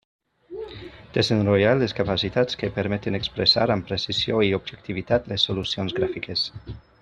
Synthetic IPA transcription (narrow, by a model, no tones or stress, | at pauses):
d̪̥ezenroʎaleskapasit̪at͡skepeɾmɛt̪enekspɾesa̰ɾampɾesizjoiobʒek̚t̪iβit̪at̪lesːolusionzɡɾafikes